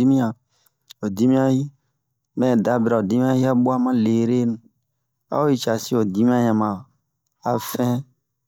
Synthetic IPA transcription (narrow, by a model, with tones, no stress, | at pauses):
i˦mĩ˦ã˨ | o˨d̪i˦mĩ˦a˦ji˦ | mɛ̃˦˨d̪a˨bɾa˨o˨d̪i˦mĩ˦ã˦ji˦a˦bo˦a˦mã˦le˨ɾe˦nũ˦ | a̰˦o˦ji˦t͡ʃa˨si˦o˨d̪i˦mĩ˦a˦ɲã˨mã˨ | a˨fɛ̃˦